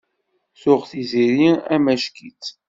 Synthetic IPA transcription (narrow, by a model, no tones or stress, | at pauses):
θʊʁθiziɾiæmæʃkit͡s